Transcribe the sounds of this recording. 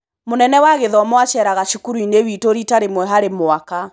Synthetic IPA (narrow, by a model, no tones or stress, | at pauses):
monɛnɛwaɣeðɔmɔat͡ʃɛɾaɣaʃukuɾuinewitoɾitaɾemwɛɦaɾemoaka